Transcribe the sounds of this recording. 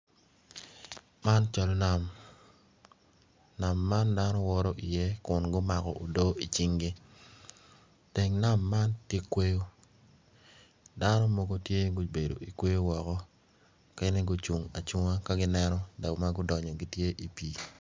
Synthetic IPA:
ma˦nt͡ʃa˨lɔ˨na˨m | na˨mːa˦nda˦nɔ˦wɔ˦ɾɔ˦ʔi˨je˦kʊ˨nɡʊ˦ma˨kɔ̰˨ʔo˨do˦i˨t͡ʃi˦ŋɡi˦ | te˨ŋna˦mːa˦ntje˦kwe˦jo˦ | da˦nɔ˦mo˦ɡo˦tje˦ɡo˦be˨do̰˨i˨kwe˦jo˦wɔ˨kɔ˦ | ke˦ne˦ɡo˦t͡ʃu˨ŋa˨t͡ʃu˦ŋa˦ka˦ɡɪ˦nɛ˦nɔ˦da˨ma˦ɡʊ˦dɔ˨ɲɔ˨ɡi˦tje˦ʔi˨pi˦

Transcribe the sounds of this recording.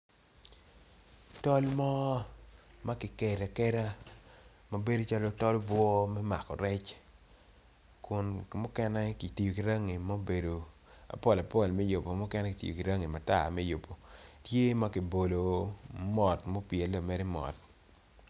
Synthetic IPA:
tɔ˦lmɔ˦ | ma˦kɪ˨kɛ˨ɾa˨kɛ˦ɾa˦ | ma˨be˦do˨˦t͡ʃa˦lɔ˦tɔ˦lbwɔ˦mɛ˦ma̰˨kɔ˨ɾɛ˦t͡ʃ | kʊ˨n˨mʊ˦kɛ˦nɛ˦ki˨ti˨jo˨ki˨ɾa˦ŋi˨mo˦be˨do˨ | a̰˨pɔ˦la˨pɔ˦˨lmɛ˦jo˨po˨mʊ˦kɛ˦nɛ˦kɪ˨tḭ˨jo˨ki˨ɾa˦ŋi˨ma˨ta̰˨mɛ˦jo˨po˨tje˦ma˦ki˨bo˨lo˨mɔ˨tmo˦pje˨lo˨mɛ˦ɾi˦mɔ̰˨t

